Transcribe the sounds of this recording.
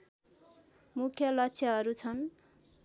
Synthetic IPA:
mukʰjʌlʌkt͡sʰjʌɦʌɾut͡sʰʌn

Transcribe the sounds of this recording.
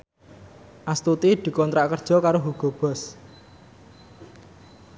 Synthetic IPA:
ʔast̪ut̪id̪̥i̤kɔnt̪ɾaʔkərd̥ʒ̥ɔ̤kaɾoɦuɡ̥ɔ̤b̥ɔ̤s

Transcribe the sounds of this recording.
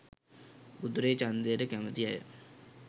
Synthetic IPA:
ud̪uɾet͡ɕand̪ejəʈəkæmət̪iajə̰

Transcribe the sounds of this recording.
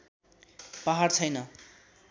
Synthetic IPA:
paɦart͡sʰʌjnʌ

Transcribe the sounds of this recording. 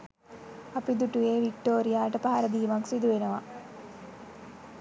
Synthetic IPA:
apid̪uʈujeːʋik̚ʈoːɾijaːʈəpaɦaɾəd̪iːmaksid̪uʋenəʋa

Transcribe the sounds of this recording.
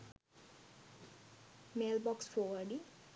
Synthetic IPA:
melbɔksfɔʋəɖi

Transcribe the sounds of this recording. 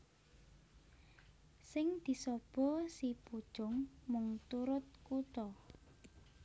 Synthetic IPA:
sɪŋd̪̥i̤sɔb̥ɔ̤sipud̥ʒ̥ʊ̤ŋmʊŋt̪uɾʊt̪̚kut̪ɔ

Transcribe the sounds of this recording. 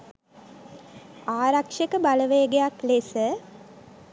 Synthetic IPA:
aːɾakʂekəbaləʋeəɡejaklesə

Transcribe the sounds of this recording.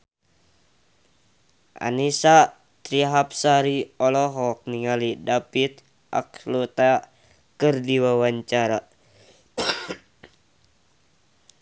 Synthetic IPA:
ʔa̰nisa | t̪ɾiɦap̚saɾiɔlɔɦɔk̚niŋalidapit̪ | ʔa̰klut̪a | kɨrdiwawaɲt͡ʃaɾa

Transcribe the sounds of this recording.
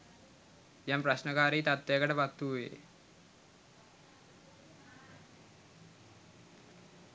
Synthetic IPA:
jampraɕnəkaːɾeit̪at̪ʋejəkəʈəpat̪ːuːjḛ

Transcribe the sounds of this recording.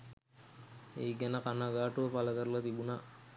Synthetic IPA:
eːɡɛnəkanaɡaːʈuʋəpaləkəɾəlat̪ibuna

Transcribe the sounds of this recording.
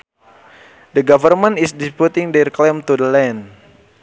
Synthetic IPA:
dəɡavərmə̃nisdisput̪iŋdɛrklɛmt̪udəlɛn

